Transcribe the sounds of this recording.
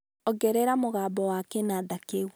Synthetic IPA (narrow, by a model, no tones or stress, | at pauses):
ɔɡɛɾɛɾamoɣaːbɔwakɛnadakeɣw